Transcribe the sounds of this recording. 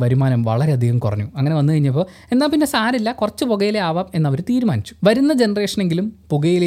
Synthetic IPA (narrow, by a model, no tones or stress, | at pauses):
ʋɐɾumaːnɐmʋɐ̰ɭɐɾe̞ɐd̪ʱiɣɐmkurɐɲːuɐŋːɐne̞ʋɐnːɨkɐɻiɲːɐp̬ːoː | e̞nːaːlpinːe̞saːɾilːɐkurɐt͡ɕːɨpoɣɐjileaːʋame̞nːɐʋɐɾt̪iːɾumaːnit͡ɕːu̥ʋɐɾunːɐd͡ʑe̞nɐreːʂɐne̞ŋɡilumpuɣɐjile